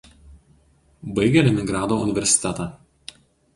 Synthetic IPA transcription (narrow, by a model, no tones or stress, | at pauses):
bɐɪɡʲɛlʲɛmʲɪŋɡɾɑːd̪oːʊnʲɪʋʲɛɾʲsʲɪ̥t̪ʲɛt̪ɑ